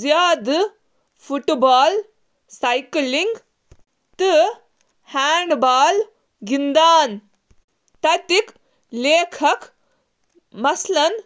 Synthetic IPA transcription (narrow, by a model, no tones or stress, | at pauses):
zjaːd̪ | fʰuʈbaːl | sɐjkliŋɡ | t̪ɨ | haːɳɖbaːl | ɡind̪aːn | t̪ɐt̪ik | leːkʰɐk | mɐslɐn